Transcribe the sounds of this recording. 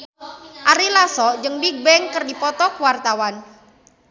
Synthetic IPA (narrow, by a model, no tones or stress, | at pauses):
ʔaɾilasɔd͡ʒɨŋbik̚bɛŋkərdipɔt̪ɔkwart̪awan